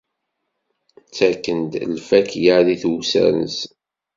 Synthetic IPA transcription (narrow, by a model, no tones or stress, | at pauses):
t͡sːækːənd̪lfækjaʕðiθusæ̰ɾnə̰s